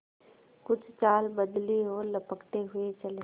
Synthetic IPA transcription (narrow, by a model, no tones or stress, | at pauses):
kʊt͡ʃʰt͡ʃaːlbɐd̪liɦoləpəkt̪eɦʊet͡ʃɐle